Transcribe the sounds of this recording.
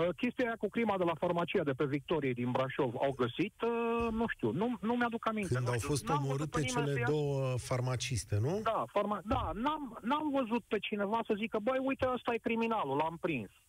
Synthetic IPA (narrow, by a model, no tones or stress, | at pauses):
əkʲe̞st̪ijajakukɾimad̪e̞lafarmat͡ʃijad̪e̞pe̞vik̚t̪o̞ɾijed̪inbɾaʃo̞va̰wɡəsit̪nuʃt̪iṵnunumad̪ukaminkɨend̪awfo̞st̪omoɾɨt̪e̞t͡ʃele̞d̪o̞wəfarmat͡ʃist̪e̞nud̪afarmad̪anamnamvəzut̪̚pe̞t͡ʃine̞vasəzikəbəjujt̪eəst̪ajekɾiminalulampɾins